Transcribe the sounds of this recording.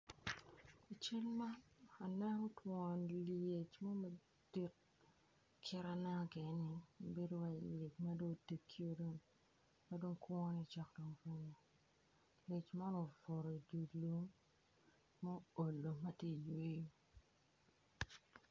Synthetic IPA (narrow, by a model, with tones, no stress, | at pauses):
a˨t͡ʃa˦lma˦na˨nɛ˦ŋɔ˦twɔ˨nlje˨t͡ʃmo˦mɐ˨ | d̥i˦t̚ | kʰɪ˦ɾa˦nɛ˦ŋ˦ɡe˨˦nɪ˨m˨be˦do˦wa˨le˨t͡ʃma˦do˦te˨kʰːjo˦do˦ŋ | ma˦do˦ŋkwɔ˦ni˨t͡ʃa˦kdo˨ŋko˦ɲo˨ | le˨t͡ʃma˦no˨fo˨ɾo˨i˨du˨lu˦ŋ | mo˦o˨lːo˨mɐ˦tje˦˨jwe˦jo˨